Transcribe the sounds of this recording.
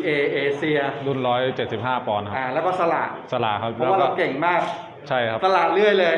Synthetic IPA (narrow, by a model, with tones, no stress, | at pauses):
ʔeː˧ʔeː˧si˧ɐdu˧nɾɔː˦˥jt͡ɕe˨˩t̪̚si˨˩p̚haː˥˩pɔː˧nkʰa˦ʔaː˧˩lɛː˦˥wkɔː˥˩sa˧la̰ː˨˩t̪̚sa˧la̰ː˨˩t̪̚kʰa˦˥p̚lɔː˦wa˥la˧wke˨˩ŋmaː˥˩k̚ | t͡ɕʰa˥˩jkʰa˦t̪a˧laː˨˩t̪̚lɯ˥˩əjlɤː˧j